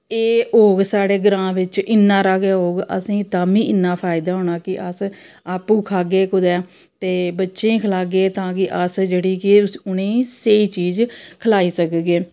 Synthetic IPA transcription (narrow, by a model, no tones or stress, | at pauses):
eːɦoːɡsaːɽeːɡɾãːʋɪt͡ʃɪnːãːɾaːɡeːɦoːɡə̰sĩːt̪aːmĩːʔɪnːãːpʰaːɪd̪aːɦoːɳ̃aːkɪʔəs | aːpũːkʰaːɡeːkʊd̪ɛː | t̪eːbətːʃẽːkʰəlaːɡeːt̪ãːkɪʔəsd͡ʒeːɽiːkɪʊnẽːseiːt͡ʃiːd͡ʒkʰəlaːiːsəkɡeː